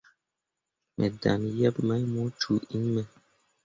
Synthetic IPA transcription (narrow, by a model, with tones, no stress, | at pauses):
mʔɛ˨da̰˨njɛ˦pmə˦mu˨˦t͡ʃu˨i˦mɛ˨